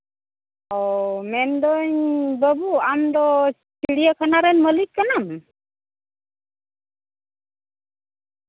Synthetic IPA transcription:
ɔmɛnd̪ɔɲbəbuamd̪ɔ | t͡ʃiɽiəkʰanaɾɛnməlikːanam

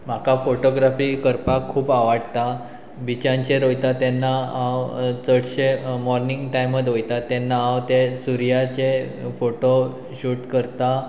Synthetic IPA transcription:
m̤akafoʈoɡɾafiːkəɾpakʰːuːpaʋaɽt̪a | bit͡ɕãɲt͡ɕeɾojt̪at̪janːaãwt͡səɽɕemɔɾniŋɡʈajmːəd̪ʱɦojt̪at̪anːãːwt̪esuɾjat͡ɕefoʈo | ɕuʈkəɾt̪a

